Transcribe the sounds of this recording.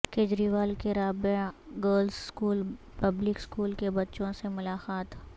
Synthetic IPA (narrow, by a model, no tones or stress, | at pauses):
keːd͡ʒɾiʋaːlkeɾaːbeɡəːɾlsskuːl | pɐblɪkskuːlkebɐtːʃõsemʊlaːxaːt̪